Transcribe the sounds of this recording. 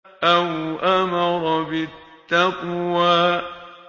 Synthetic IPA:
ʔawʔamɑɾɔbɪtt̪ːaqwaː

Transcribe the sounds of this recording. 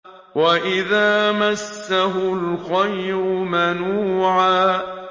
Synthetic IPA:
waʔɪðaːmasːaɦʊlxajɾʊmanuːʕaː

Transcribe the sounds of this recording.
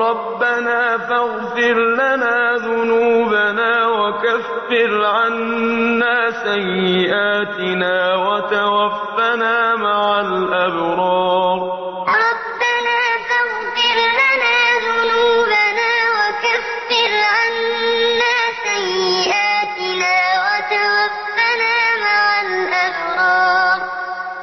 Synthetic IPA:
ɾˤɑbːanaːfaɣfɪɾlanaːðʊnuːbanaːwakafːɪɾʕanːaːsajːɪʔaːt̪ɪnaːwat̪awafːanaːmaʕalʔabɾˤɑːɾ | ɾˤɑbːanaːθaɣ | fɪɾlanaːðʊnuːbanaːwakafːɪɾʕanːaːsajːɪʔaːt̪ɪnaːwat̪awafːanaːmaʕalʔabɾˤɑːɾ

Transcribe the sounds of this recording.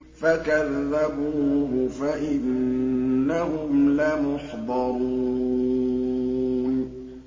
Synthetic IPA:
fakaðːabuːɦʊfaʔɪnː | aɦʊmlamʊħd̪ˤɑɾuː | n

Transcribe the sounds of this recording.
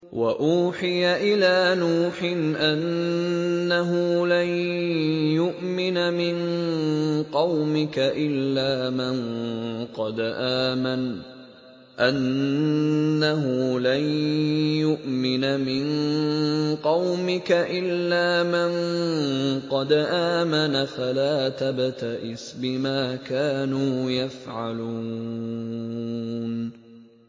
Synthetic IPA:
waʔuːħɪjaʔɪlaːnuːħɪnʔanː | aɦʊlan | jʊʔmɪnamɪn | qɑwmɪkaʔɪlːaːmanqɑd̪ʔaːman | ʔanː | aɦʊlanjʊʔmɪnamɪn | qɑwmɪkaʔɪlːaːman | qɑd̪ʔaːmanafalaːt̪abt̪aʔɪsbɪmaːkaːnuːjafʕaluː | n

